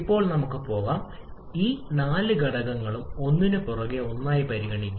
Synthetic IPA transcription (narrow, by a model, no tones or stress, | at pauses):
ipːo̞ːɭnɐmukːɨpo̞ːɣaːm | iːnaːlɨɡɐɽɐɣɐŋːɐɭumo̞nːinɨpurɐɣeo̞nːaːjipɐɾiɣɐɳikʲːu